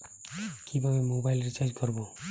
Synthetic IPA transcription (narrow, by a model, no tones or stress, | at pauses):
kibʱabemobajlɾit͡ʃad͡ʒkɔrbo